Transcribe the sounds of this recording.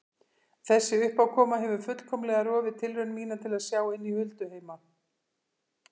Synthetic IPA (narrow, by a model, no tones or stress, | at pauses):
θɛsːɪʏhpawkʰɔːmaɦɛvʏɾfʏt̪l̥kʰɔmlɛɣaɾɔːvɪt̪ʰɪlɾʏnmiːnat̪ʰɪlaðsjaːwɪnːihʏlt̪ʏheːjma